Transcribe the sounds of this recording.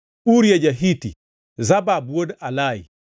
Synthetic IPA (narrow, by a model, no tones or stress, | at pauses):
uɾjed͡ʒaɦitḭ | zababuwodalajḭ